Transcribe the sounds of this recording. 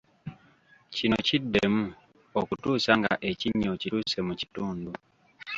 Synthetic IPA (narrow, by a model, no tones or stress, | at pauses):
cinocidːḛmu | okutuːsaŋɡa̰ʔe̞ciɲːo̞cituːse̞muci̥tuːndu